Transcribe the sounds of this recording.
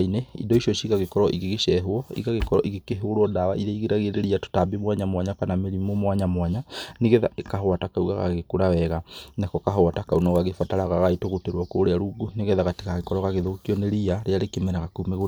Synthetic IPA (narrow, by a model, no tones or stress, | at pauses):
ineḭndɔiʃɔʃiɣaɣekɔɾɔʔiɣeɣeʃɛɦwɔḭɣaɣekɔɾɔ̰ʔiɣekeɦoɾwɔdawa̰ʔiðeiɣeɾaɣeɾeɾiato̥tabemwaɲamwaɲapanameɾimɔmwaɲamwaɲaneɣɛðaekaɦɔatakauɣa̰ɣa̰ɣekuɾawɛɣanakɔkaɦoatakaunɔɣaɣefataɾaɣaɣaetoɣoteɾwɔkoɾeaɾuɡuneɣɛðaɣate̥ɣaɣekɔɾɔɣaɣeðokiɔneɾiaɾeaɾekemɛnaɣakumeɣo